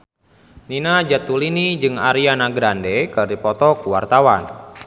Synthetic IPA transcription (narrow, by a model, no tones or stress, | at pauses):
ninad͡ʒat̪ulinid͡ʒɨŋaɾianaɡɾandekɨrdipɔt̪ɔkuwart̪awan